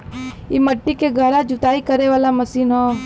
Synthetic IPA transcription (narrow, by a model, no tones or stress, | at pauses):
jemɐʈːikeɡʱəɾad͡ʒʊt̪aːikɐɾeʋaːlamɐsiːnɦoː